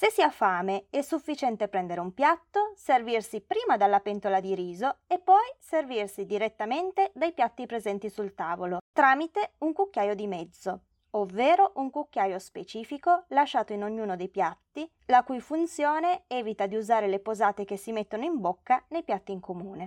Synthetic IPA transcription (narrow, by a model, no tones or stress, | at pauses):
sesːiːafaːmeɛsːufːit͡ʃɛnt̪epɾɛnd̪eɾeumpjat̪ːoservirsipɾiːmad̪alːapɛnt̪olad̪iɾiːzoepːɔjservirsid̪iɾet̪ːament̪ed̪ajpjat̪ːipɾezɛnt̪isult̪aːvolot̪ɾaːmit̪euŋkukːjaːjod̪imɛd̪z̥ːo | ovːeːɾoʔuŋkukːjaːjospet͡ʃiːfikolaʃːaːt̪oinoɲːuːnod̪ejpjat̪ːi | lakujfunt̪sjoːneɛːvit̪ad̪iuzaːɾelepozaːt̪ek̟esːimet̪ːonoimbokːanejpjat̪ːiːŋkʰomuːne